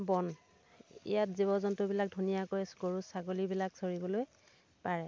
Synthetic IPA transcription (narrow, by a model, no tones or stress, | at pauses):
bɔn | ḭjatziβɔzɔntʊbilak̚dʱunijakojsɡoɹusaɡolibilaksoɹibɔloj | paɹɛ